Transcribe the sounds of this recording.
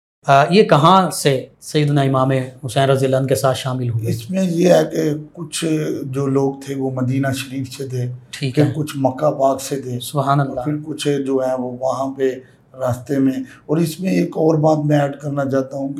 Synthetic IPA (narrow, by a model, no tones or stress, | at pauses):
jekɐɦãsesɐjːəd̪naɪmaːmeɦʊsɛ̃ːnɾɐziələːnkesaːt̪ʰʃaːmɪlɦuiɪsmẽjeɦɛkekʊt͡ʃʰd͡ʒoːloːɡt̪ʰeʋomɐd̪iːnaʃɐɾiːfsed̪eːʈʰiːkːkʊt͡ʃʰmɐkːapaːɡsed̪eːsʊbɦaːnəlːaɪɾkʊt͡ʃʰd͡ʒoːɦɛʋoʋɐɦãpe | ɾaːst̪emẽ | ɔːɾɪsmẽeːkɔːɾbaːt̪mɛ̃ɛːɖkɐɾnat͡ʃaːt̪aɦũ